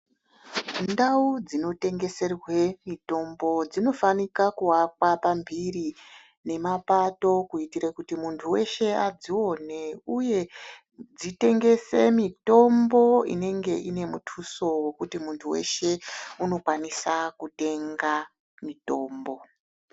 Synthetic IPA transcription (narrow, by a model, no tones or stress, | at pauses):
ndaud͡zino̞te̞ŋɡe̞se̞rwe̞mito̞mbo̞d͡zino̞fanikakuwakwapambiri | ne̞mapato̞kuitiɾakutimuntʰuwe̞ʃe̞ad͡ziwo̞ne̞uje̞ | d͡zite̞ŋɡe̞se̞mito̞mbo̞ḭne̞ŋɡe̞ʔine̞mutʰuso̞we̞kutimuntʰuwe̞̰ʃe̞uno̞kwanisakute̞ŋɡa | mito̞ːmbo̞